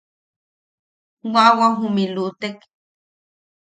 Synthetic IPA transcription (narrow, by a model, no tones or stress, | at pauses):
wawaɦumilut̪ek